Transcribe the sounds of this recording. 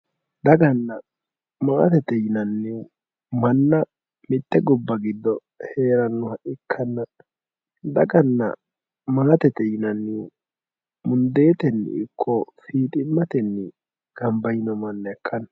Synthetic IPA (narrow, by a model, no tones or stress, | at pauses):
d̪ɐɡɐnːɐ | maːt̪ɛt̪ɛjɪnɐnːɪwʊ | mɐnːɐ | mɪt̪ːɛɡɔbːɐɡɪd̪ːɔ | he̞ːɾɐnːʊhɐʔɪkʰːɐnːɐ | d̪ɐɡɐnːɐ̰ | maːt̪ɛt̪ɛjɪnɐnːɪw | mʊnd̪e̞ːt̪ɛnːɪ̰ɪkʰːɔfiːt̪ʼɪmːɐt̪ɛnːɪ | ɡ̥ɐmbɐjɪnɔmɐnːɐɛkʰːɐn